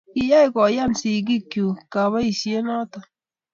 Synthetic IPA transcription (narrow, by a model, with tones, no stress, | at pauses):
i˨ja˦i˦˨kɔ˨ja˦˨nsi˨k̬i˦kju˨ka˨βa˦i˨sje˦nɔ˦tɔ˨